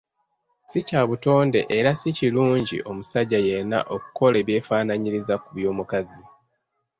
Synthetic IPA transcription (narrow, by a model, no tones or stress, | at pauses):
sicaːβuto̞ːnde̞̰ʔeɾasiciluːɲɟḭʔo̞musaɟːaje̞na̰ʔo̞kuko̞le̞ːβje̞ːfaːnaɲiɾizakuβjo̞ːmukazi